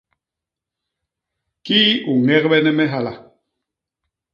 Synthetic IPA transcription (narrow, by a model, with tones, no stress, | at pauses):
ki˦u˨ŋɛ˦kɓɛ˦nɛ˦mɛ˦ɦa˨la˨